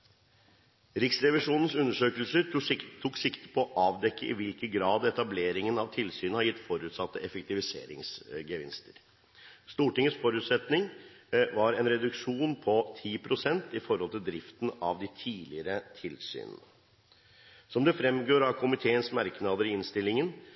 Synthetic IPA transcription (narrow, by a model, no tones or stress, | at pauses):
ɾɪksɾɛʋɪʂuːnən̩sʉnːəʂøːkəlsəɾt̪ʰːuːksɪkt̪ə̥pʰɔɔʔɑːʋd̪ɛkːəʔɪʋɪlkəɡɾɑːd̪ɛt̪ɑbleːɾɪŋənɑʋt̪ʰɪlsyːnəhɑɾjɪt̪ːfɔɾʉːt̪sɑt̪ːəʔɛfɛkt̪ɪʋɪsḛːɾɪ̰ŋsɡəʋɪ̰nst̪əɾ | st̪uːʈɪŋːəsfɔɾʉːt̪sɛt̪nɪŋʋɑɾɛnɾɛd̪ʉkʂuːnpʰɔt̪ʰiːpʰɾʊsɛnt̪ɪfɔɾhɔlt̪ʰɪld̪ɾɪft̪n̩ɑ̰ʋd̪ɪt̪ʰiːlɪəɾət̪ʰɪlsy̰ːnə̰nə | sɔmd̪ɛfɾɛmɡoːɾɑʋkʰʊmɪt̪ʰeːənsmɑɾknɑd̪əɾɪɪnst̪ɪlːɪŋən